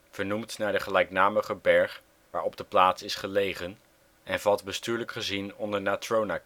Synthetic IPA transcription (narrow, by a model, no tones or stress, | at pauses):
v̥əɹnumtnaːɹdəχəlɛjknaːməχəbɛɹχ | ʋaːɹɔb̚dəplaːtsɪsχəlejχən | ɛnvɑtdbəstyːɹləkχəzinɔndəɹnatrona